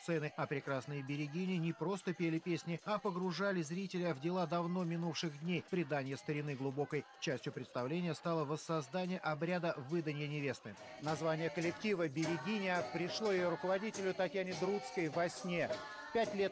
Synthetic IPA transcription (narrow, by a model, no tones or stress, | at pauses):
t̪sɛnɨɐpɾʲɪkɾasnɨjəbʲɪɾʲɪɡʲinʲɪnʲɪpɾo̞st̪əpʲelʲɪpʲesʲnʲɪɐpəɡɾʊʐalʲɪzɾʲitʲɪlʲəvdʲɪlˠad̪ɐvn̪o̞mʲɪnufʂɨɣdʲnʲejpɾʲɪd̪anʲɪjəst̪əɾʲɪnɨɡlˠʊbo̞kəjt͡ɕæsʲtʲjʊpɾʲɪt̪st̪ɐvlʲenʲɪjəst̪alˠəvəsːɐzd̪anʲɪjəʔɐbɾʲad̪əvɨd̪ənʲɪjənʲɪvʲe̞st̪ɨnɐzvanʲɪjəkəlʲɪktʲivəbʲɪɾʲɪɡʲinʲɪpɾʲɪʂlˠo̞jɪjoɾʊkəvɐdʲitʲɪlʲʊt̪ɐtʲjanʲɪd̪ɾut̪skəjvɐsʲnʲe | pʲætʲlʲet̪̚